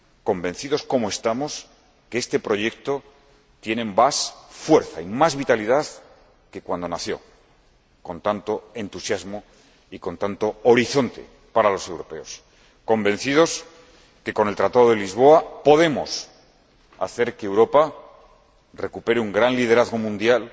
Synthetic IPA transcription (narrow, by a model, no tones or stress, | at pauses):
ko̞mbẽ̞nθiðo̞sko̞moe̞st̪amo̞s | keest̪e̞pɾo̞ʝe̞k̚t̪o̞ | t̪je̞nebasfwe̞ɾθaimazβit̪aliðað | ke̞kwand̪o̞naθjo̞̰ | ko̞nt̪ant̪o̞e̞nt̪usjazmo̞ | iko̞nt̪ant̪o̞ːɾiθo̞nt̪e̞̰ | paɾalo̞se̞wɾo̞pe̞o̞s | ko̞mbe̞n̟θið̞o̞s | ke̞ko̞nelt̪ɾat̪aðo̞ð̞e̞lizβo̞apo̞ð̞e̞mo̞̰s | a̰θe̞ɾkeːwɾo̞pa | re̞kupe̞ɾeuŋɡɾanlið̞e̞ɾaðɣo̞mũnd̪jal